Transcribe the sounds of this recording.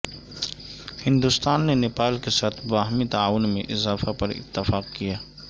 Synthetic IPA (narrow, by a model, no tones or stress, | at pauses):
hɪ̃nd̪ʊst̪aːnːenɪpaːlkesaːt̪ʰbaːɦmit̪aaːʋʊnmẽʔɪzaːfapɐɾɪ̰t̪ːəfaːqkijaː